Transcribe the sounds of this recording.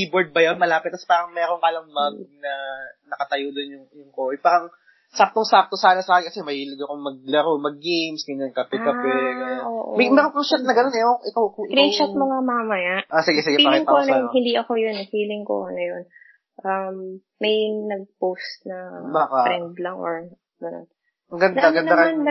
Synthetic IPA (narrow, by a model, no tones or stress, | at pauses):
kiːboɹd̪̚bɐjonmɐlaːpɪt̪ːɐspaːɾɐŋmɛːɾoŋkaːlɐŋmɐɡnɐnɐkɐt̪ɐjod̪onjʊŋjʊŋkoʔojpaːɾɐŋ | sap̚t̪oŋsak̚t̪osaːnɐsɐʔaːkɪkɐsɛmɐhiːlɪɡɐkoŋmɐɡ̚lɐɾomɐɡ̚ːejmsɡɐnɐŋkɐpɛkɐpɛɡɐjonʔoːʔomɐmɛːɾoŋpɾɪt͡ʃɐt̪̚nɐɡɐno̞nɛoʔɪkawkkɾinʃɐtt̪̚mɐŋamamɐjaʔasɪɡɛsɪɡɛfialɪŋponɐjonɦɪnd̪iʔɐko̞jonfiːlɪŋko̰nɐjon | ʔɐmː | ɐjnɐɡ̚powst̪̚nɐbaːkaɾɛnd̪lɐŋʔoɹ | ɡɐno̰n | ɐŋɡɐnd̪anɡɐnɐɐɾɛmanb